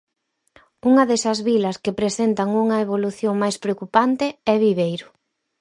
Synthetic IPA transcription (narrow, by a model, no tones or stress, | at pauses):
uŋɐðesɐzβilɐskepɾesent̪ɐŋuŋɐeβ̞oluθjoŋmajspɾeokupant̪ɪɛβiβejɾʊ